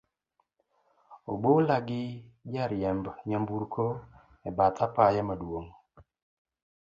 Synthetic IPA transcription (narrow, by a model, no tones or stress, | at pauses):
o̰bolaɡɪd͡ʒaɾjɛmbɲambuɾkʰo | ɛbat̪apajɛmadwoŋ